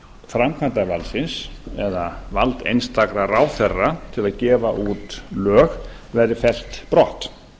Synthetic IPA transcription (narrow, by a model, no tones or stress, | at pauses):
fɾamkʰvant̪avalsɪnsɛðavalt̪ḛjnst̪ʰakɾaraːwθɛrːat̪ʰɪlaðcɛːvaʔut̪lœːx | vɛɾðɪfɛl̥t̪pɾɔht̪